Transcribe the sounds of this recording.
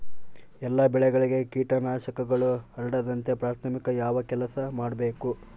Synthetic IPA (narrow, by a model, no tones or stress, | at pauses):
ɛlːɐbɛɭɛɡɐɭiɡe̞kiːʈɐnaːʃɐkɐɡɐɭuɐɾɐɽɐd̪ɐnt̪e̞pɾaːt̪ʰɐmikɐjaːʋɐkɛlɐsɐmaːɖbe̞ːku